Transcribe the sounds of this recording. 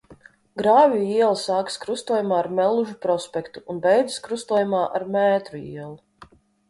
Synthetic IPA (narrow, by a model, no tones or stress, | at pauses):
ɡɾaːvʲijuiɛlˠsaːkskɾust̪uːjumaːaɾmɛlˠuʒupɾɔspʲɛkt̪uːnbɛjd̪zskɾust̪uɔːjumaːʔa̰ɾmɛːt̪ɾuḭɛlˠu